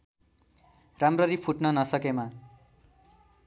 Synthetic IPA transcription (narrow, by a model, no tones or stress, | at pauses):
ramrʌɾipʰuʈnʌnʌsʌkema